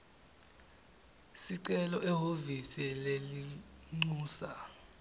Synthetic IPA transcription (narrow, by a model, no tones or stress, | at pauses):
siǀɛlɔʔɛɦovisɛleliŋ͡ǀuːsa